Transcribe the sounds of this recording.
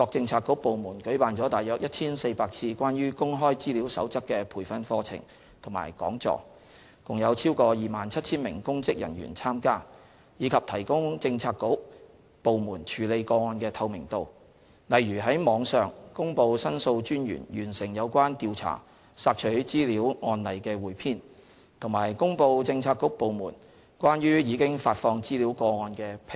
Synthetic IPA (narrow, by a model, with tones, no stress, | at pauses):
kɔː˧k̚t͡sɪ˧ŋt͡sʰaː˧kːʊ˨˥k̚po˨wmuː˨˩nkɵ˨˥paː˨nt͡ʃɔː˨˥t̪aː˨jœː˨k̚jɐ˥t̚t͡sʰiː˥nse˧jpaː˧k̚t͡sʰiː˧kwaː˥njyː˥kʊ˥ŋɦɔː˥jt͡siː˥liː˨˥wsɐ̰˨˥wt͡sɐ˥kːɛː˧pʰuː˨˩jfɐ˧nfɔː˧t͡sʰɪ̰˨˩ŋ | t̪ʰʊ˨˩ŋma̰ː˨˩jkɔ̰ː˨˥ŋt͡sɔ̰ː˧ | kʊ˨ŋjɐ˨˧wt͡sʰiː˥wkɔː˧jiː˨maː˨nt͡sʰɐ˥t̚t͡sʰiː˥nmɪ˨˩ŋkʊ˥ŋt͡sɪ˥k̚jɐ̰˨˩njy̰ː˨˩nt͡sʰaː˥mkaː˥ | jiː˨˧kʰɐ˨p̚t̪ʰɐ˨˩jkʊ˥ŋt͡sɪ˧ŋt͡sʰaː˧kːo˨˥ | po˨wmuː˨˩nt͡ʃʰyː˨˩le˨˧jkɔː˧ŋɔː˧nkɛː˧t̪ʰɐ˧wmɪ˨˩ŋt̪o˨w | lɐ˨jɥyː˨˩ɦɐ˨˥jmɔː˨˧˥ŋsœː˨ŋkʊ˥ŋpo˧wsɐ˥nso˧wt͡ʃyː˥njy̰ː˨˩njy̰ː˨˩nsɪ˨˩ŋjɐ˨˧wkʷwaː˥nt̪iː˧wt͡sʰa̰ː˨˩ | saː˧k̚t͡ʃʰɵ˨˥ɥt͡siː˥li˨˥wŋɔː˧nlɐ˨˩jkɛː˧wuː˨˩jpʰiː˥n | t̪ʰʊ˨˩ŋmaː˨˩jkʊ˥ŋpo˧wt͡sɪ˧ŋt͡sʰaː˧kːʊ˨˥k̚po˨wmṵː˨˩n | kʷaː˥njyː˥jiː˨˧kɪ˥ŋfaː˧t̚fɔː˧ŋt͡siː˥liː˨˥wkɔː˧ŋɔː˧nkɛː˧pʰ